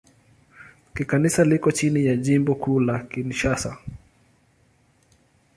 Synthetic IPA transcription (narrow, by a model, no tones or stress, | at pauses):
kikanisalikɔt͡ʃinijaʄimbɔkʰuːlakinʃasa̰